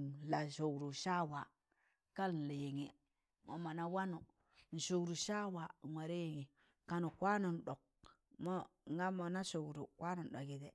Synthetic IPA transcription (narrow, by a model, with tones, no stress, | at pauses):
la˨ʃo˨ɡɾu˨ʃa˦wa˨ | ka˦ln̩˨la˨je˨ŋe˨ | mo̰˨ma˨na˦wa˦nu˨ | n̩˨ʃo˨ɡɾu˨ʃa˦wa˨ŋwa˨ɾe˦je˨ŋi˨ | ka˨nu˨kwa˦no˨n˨ɗo˨k̚ | mo˦˨ŋɡa˦mo˨na˦ʃo˨ɡɾṵ˨kwa˦no˨n˨ɗo˨ɡi˨de˨